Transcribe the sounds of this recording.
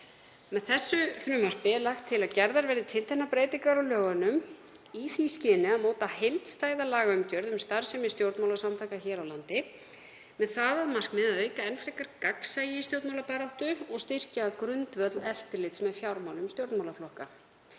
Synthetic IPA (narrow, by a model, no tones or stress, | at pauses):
mɛðθɛsːʏfɾʏːmar̥pɪɛɾlaxt̪ʰːɪlaðcɛɾðaɾvɛːɾðɪt̪ʰɪltθɛnːapɾeːjt̪ɪŋkaɾawlœːɣanʏm | iθiscɪːnɪaðmoːwt̪ahejlt̪st̪aːjðalaːɣaʏmcœɾðʏmst̪aɾ̥sɛmɪst̪jowɾt̪mawlasamt̪ʰahkaçɛːɾawlant̪ɪ | mɛðθaðaðmar̥kmɪðaðœːɥkaɛlfɾehkaɾkaksajɪist̪jowɾt̪mawlapɛɾawht̪ʏɔɣst̪ir̥caːkɾʏnt̪vœt̪lɛft̪ɪɾlɪt̪smɛðfjawɾmawlʏmst̪jowɾt̪mawlaflɔhka